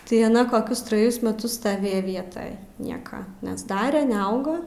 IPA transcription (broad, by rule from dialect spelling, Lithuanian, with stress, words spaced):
tɐɪ ɐˈnɐ koːˈkʲʊs trɐˈjʊs mʲɛˈtʊs stɐˈʋʲeːjɛ ˈʋʲiɛtɐj ˈnʲiɛkɐ nʲɛzˈdɑːrʲɛ nʲɛˈɐʊɡɐ